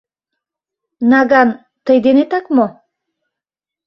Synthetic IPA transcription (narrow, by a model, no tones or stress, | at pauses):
nɑɡan | t̪əjd̪enet̪ɑkmo